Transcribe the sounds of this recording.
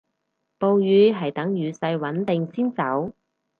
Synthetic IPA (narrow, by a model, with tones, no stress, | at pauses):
po˧wjyː˨˧ɦɐ˨jt̪ɐ˨˥ŋjyː˨˧sɐ˧jwɐ˨˥nt̪ɪ˨ŋsiː˥nt͡sɐ˨˥w